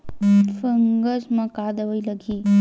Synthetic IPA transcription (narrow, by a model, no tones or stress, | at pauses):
fəŋɡəsmakad̪əʋəjləɡiː